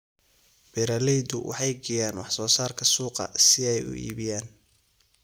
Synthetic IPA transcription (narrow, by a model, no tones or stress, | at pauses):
b̥ɪɾɐlɛjd̪ʊwʔɑ̰ħɑjɡɛjaːnwɑħsɔːsaːrkʰɐsuːqɐ̰sɪɛjʊ̰ʔḭːβɪjaːn